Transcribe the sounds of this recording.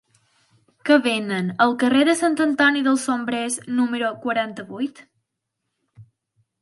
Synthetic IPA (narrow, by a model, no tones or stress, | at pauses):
kəβenənəlˠkəreðəsant̪ənt̪ɔniðəlˠsombɾeznuməɾukwəɾant̪əβujt̪